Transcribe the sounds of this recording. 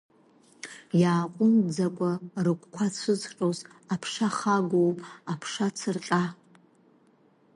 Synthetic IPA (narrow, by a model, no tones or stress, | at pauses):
jaːqʷʼʊmd͡zakʷʼarɨkʷkʷʰat͡sʷʰɨzʈ͡ʂʼozapʰʂaχaɡʷowpʼapʰʂat͡sʰɨrqʲʼa